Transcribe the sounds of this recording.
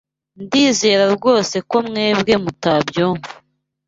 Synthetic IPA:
ndiːze̞ːɾaɾɡo̞ːse̞ko̞mŋe̞ːbɡe̞mutabjoːŋɡu

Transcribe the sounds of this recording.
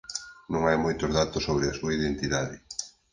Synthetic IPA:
nõŋajmojt̪ozðat̪ʊsoβɾɪasuɐiðent̪iðaðɪ

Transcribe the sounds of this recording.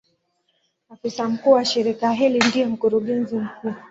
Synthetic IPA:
afisam̩kuːwaʃiɾikajaɦilindiɔm̩kuɾuɠɛnzim̩kuː

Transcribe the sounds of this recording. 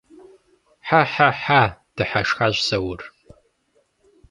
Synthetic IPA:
ħaħaħad̥ɨħaʂxaʒsɐwʊr

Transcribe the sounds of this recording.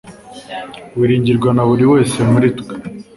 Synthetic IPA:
wiɾiːɲɟiɾɡwanaβuɾiwe̞ːse̞muɾitɡe̥

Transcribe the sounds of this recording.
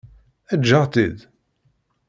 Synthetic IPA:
æd͡ʒːəʁt̪id̪

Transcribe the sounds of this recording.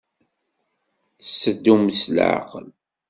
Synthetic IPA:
θəsːəd̪ːumslʕa̰qəl

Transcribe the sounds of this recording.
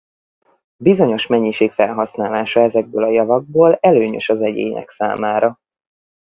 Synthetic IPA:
bizo̞ɲo̞ʃmɛɲːiʃeːkfɛlɦɒsnaːlaːʃɒɛzɛɡ̚bøːlɒjɒvɒɡ̚boːlɛløːɲø̰ʃɒzɛɟḛːɲɛ̰ksa̰ːmaːɾɒ

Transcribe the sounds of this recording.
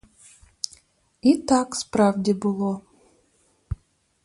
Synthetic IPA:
it̪akspravdʲɪbɨlˠo

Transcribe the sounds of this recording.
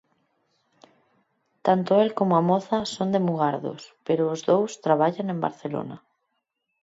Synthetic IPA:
t̪ant̪oelkomoamoθasond̪emuɣ̞aɾðo̰speɾoːzðowst̪ɾaβaʎaŋẽmba̰ɾθelo̰na

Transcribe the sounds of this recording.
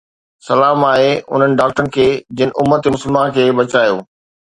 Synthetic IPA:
sɐlaːmaːɦeʊ̰n̤ənɪ̆ɖaːk̚ʈəɾənɪ̆kʰeːd͡ʑɪnɪ̆ʔʊmːət̪mʊsəlmãkʰeːbɐt͡ɕaːjo̰ː

